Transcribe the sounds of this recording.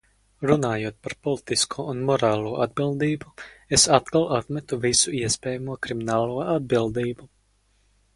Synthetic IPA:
ɾunaːjuɔt̪̚paɾpɔlˠit̪iskʰuɔunmɔɾaːlˠuɔʔad̪bilˠd̪iːbuesat̪kalˠʔat̪mɛt̪uvisuiɛspɛːjamuɔkɾiminaːlˠuːɔʔad̪̚bilˠd̪iːbu

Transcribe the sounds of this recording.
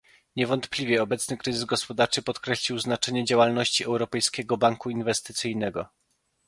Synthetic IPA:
ɲɛvɔnt̪plʲivʲjɛɔbɛt̪snɘkɾɘzɘzɡɔspɔd̪aɾt͡ʂɘpɔt̪kɾɛɕlʲiwznat͡ʂɛɲɛd͡ʑawalnɔɕt͡ɕiɛwɾɔpɛjskʲɛɡɔbaŋkuinvɛst̪ɘ̥t̪sɘjnɛɡɔ

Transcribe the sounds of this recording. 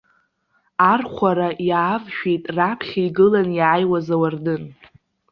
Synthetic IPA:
arχʷaɾajaːvʃᶣejtʼrapʰχʲaiɡɨlanjaːjwazawardɨn

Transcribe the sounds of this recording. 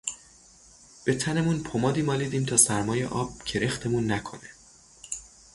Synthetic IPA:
b̥e̞t̪ʰæne̞munpʰomɒːd̪iːmɒːliːd̪iːmt̪ʰɒːsæɾmɒːje̞̰ʔɒːb̥̚cʰe̞ɾext̪ʰe̞munːækʰo̞̰ne

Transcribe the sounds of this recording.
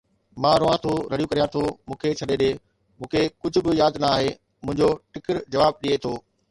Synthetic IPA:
mãːɾʊʋãt̪ʰoɾɐɽijukɐɾijãt̪ʰomũːkʰet͡ɕʰɐɗeɗeː | mũːkʰekʊd͡ʑʱʊ̆bɪjaːd̪nɐaːɦe | mʊ̃ɦɪɲd͡ʑoʈɪkəɾd͡ʑɐʋaːb̚ɗiet̪ʰoː

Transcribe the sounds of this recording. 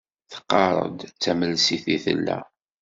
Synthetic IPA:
θə̥qːɑɾˤə̰d̪t͡sːæməlsiθiθə̰lːæ̰

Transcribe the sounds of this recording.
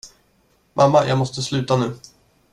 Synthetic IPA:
mʔamːajʔɑːɡmɔst̪əslʉ̟ːt̪anʉ̟ː

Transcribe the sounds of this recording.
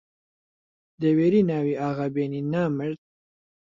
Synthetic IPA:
d̪əweɾinaːwiaɣabeninamɪɾt̪̚

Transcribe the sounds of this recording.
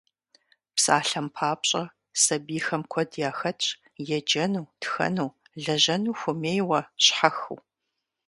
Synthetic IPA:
psa̰ːɬɐmpʰaːpɕʼɐ | sɐbiːxɐmkʷʰɔdjaːxɐ | jɛd͡ʒɐnuːtxɐ̰nuw | ɮɐʑɐnuːxʷʊmeːjwɐɕħaxṵ

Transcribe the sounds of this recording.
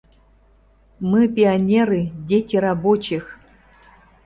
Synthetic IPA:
mɨpʲianʲeɾɨdʲetʲiɾabot͡ɕɪx

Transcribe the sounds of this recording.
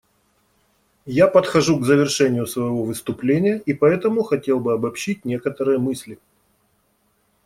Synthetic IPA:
japət̪xɐʐuɡzəvʲɪrʂɛnʲɪjʊsvəjɪvovɨst̪ʊplʲenʲɪjəʔipɐɛt̪əmʊxɐtʲe̞lˠbɨɐbɐpɕit̚ʲnʲe̞kət̪əɾɨjəmɨsʲlʲɪ

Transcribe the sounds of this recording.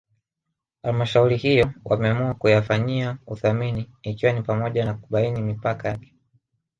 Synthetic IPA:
halmaʃauɾihijɔwʔa̰mɛamuakujafaɲiauθaminiːkiwanipamɔʄanakuɓainimipakajakɛ̥

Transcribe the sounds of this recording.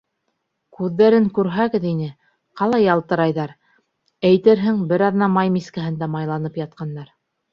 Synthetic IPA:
kʉðːæɾɘŋkʉɾɦæɣɘðinɘ | qɑlˠɑjɑlˠt̪ɤ̆ɾɑjðɑɾ | æjt̪ɘɾɦɘŋbɘɾɑðnɑmɑjmiskæɦɘ̆nd̪æmɑjlˠɑnɤpjɑt̪̚qɑndːɑɾ

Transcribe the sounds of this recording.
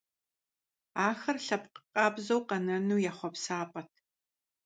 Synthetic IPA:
aːxɐrɬɐpqəqʼɑːbzɐwqɐnɐnuːjaχʷɔpsaːpʼɐtʰ

